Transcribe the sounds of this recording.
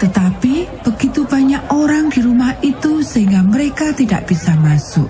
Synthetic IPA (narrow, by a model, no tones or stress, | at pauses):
t̪ət̪apib̥əɡit̪ubaɲakoɾaŋdiɾumahit̪usəɦiŋɡaməɾekat̪ida̰ʔb̥isamasʊʔ̚